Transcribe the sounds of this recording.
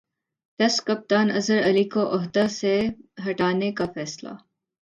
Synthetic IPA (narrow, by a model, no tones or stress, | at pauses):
tɐskɐp̚t̪aːnɐzəɾɐlikoʔʊɦd̪aseɦɐʈaːnekafɛːsla̰